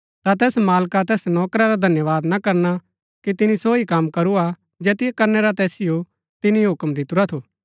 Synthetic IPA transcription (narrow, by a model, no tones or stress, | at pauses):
t̪at̪ɛːsmaːlkat̪ɛːsnɔːkɾaɾad̪ʱɐnjəʋaːd̪nakɐɾna | kit̪ɪnisoːikɐmkɐɾua | d͡ʒɛːt̪ɪjekɐɾneɾat̪ɛːsɪjo | t̪ɪniɦʊkmd̪ɪt̪ʊɾat̪ʰoː